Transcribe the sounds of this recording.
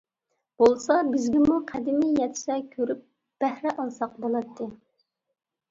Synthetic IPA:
b̥olˠsɑbɪzɡʲɛmuqʰæd̪ɪmijɛt̪ʰʃɛkʲʰøɾyp̚ | b̥æhɾɛʔɑlˠsɑq̚bolˠɑt̪ʰːɨ

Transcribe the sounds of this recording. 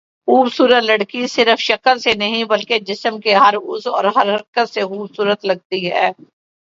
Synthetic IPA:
xuːbsuːɾət̪lɐɽkisɪɾəfʃɐkəlsenɐɦĩbɐlked͡ʒɪsəmkeɦɐɾʊsɔːɾɦɐɾɦɐɾkət̪sexuːbsuːɾət̪lɐɡ̚t̪iɦɛ̰ː

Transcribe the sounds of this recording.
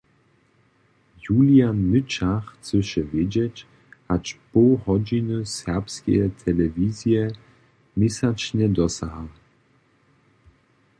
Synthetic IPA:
juljanːɨt͡ʃaxt͡sɘʃɛvjed͡ʑɛt͡ɕ | hat͡ʃpohɔd͡ʑinɨsɛʁpskʲɛ̰jɛt̪ʰɛlɛvizjɛ | misat͡ʃnɛd̪ɔsaɦa

